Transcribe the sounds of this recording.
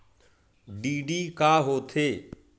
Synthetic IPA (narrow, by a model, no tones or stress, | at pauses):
ɖiːɖiːkaːɦoːt̪ʰeː